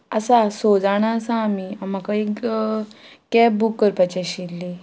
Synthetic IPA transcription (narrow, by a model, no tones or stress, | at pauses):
əsasod͡zaɽ̃aəsãːmiamakaik | kɛbukːəɾpat͡ɕaɕilːi